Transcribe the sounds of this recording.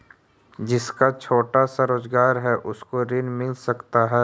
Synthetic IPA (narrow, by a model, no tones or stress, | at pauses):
d͡ʒɪskat͡ʃʰoːʈasaɾoːd͡ʒɡaːɾɦɛʔʊskoɾɪnmɪlsɐkt̪aɦɛː